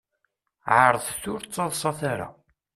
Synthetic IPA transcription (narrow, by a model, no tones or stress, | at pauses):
ʕəɾˤəðˤθʊɾt͡sˤːɑðˤsˤɑθaɾa̰